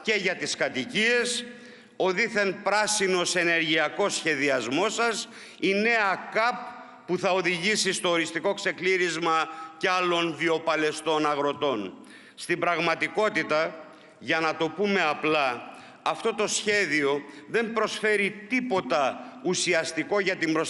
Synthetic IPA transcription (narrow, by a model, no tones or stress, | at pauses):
ce̞ʝɐt̪iskɐt̪icie̞s | o̞ðiθe̞npɾɐsino̞se̞ne̞ɾʝiɐko̞sçe̞ðiɐzmo̞sɐs | ine̞ɐkɐpː | uθɐo̞ðiʝisist̪o̞oɾist̪iko̞kse̞kliɾizmɐceɐlo̞nvio̞pɐle̞st̪o̞nɐɣɾo̞t̪o̞n | st̪ibɾɐɣmɐt̪iko̞t̪it̪ɐ | ʝɐnɐt̪o̞pume̞ɐplɐː | ft̪o̞t̪o̞sçe̞ðio̞ðe̞mpɾo̞sfe̞ɾit̪ipo̞t̪ɐusiɐst̪iko̞ʝɐt̪imbɾo